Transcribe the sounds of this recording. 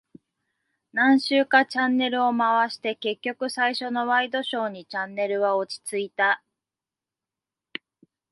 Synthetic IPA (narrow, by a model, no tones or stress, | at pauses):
nãɰ̃ɕɨːkat͡ɕãnːe̞ɾɯ̟o̞maβaɕi̥t̪e̞ke̞kʲːo̞kɯ̟saiɕo̞no̞βaid̪o̞ɕo̞ːɲ̟it͡ɕãnːe̞ɾɯ̟βao̞t͡ɕi̥t͡sɨit̪a